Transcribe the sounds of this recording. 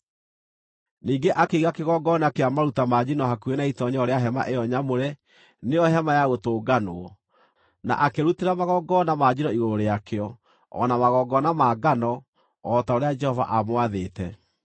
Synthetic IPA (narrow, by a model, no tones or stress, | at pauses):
niːɡeʔakeiɣakeɣɔɡɔnakeamaɾutamad͡ʑinɔɦakuwenaitɔɲɛɔɾeaɦɛma̰ʔejɔɲamoɾɛ | neɔɦɛmajaɣotoːɡanoɔ | na̰ʔakeɾuteɾamaɣɔːɡɔnamad͡ʑinɔiɣoɾoɾeakeɔ | ɔ̰namaɣɔːɡɔnamaːɡanɔ | ɔtaoɾead͡ʒɛhɔva̰ʔamwaðeːtɛ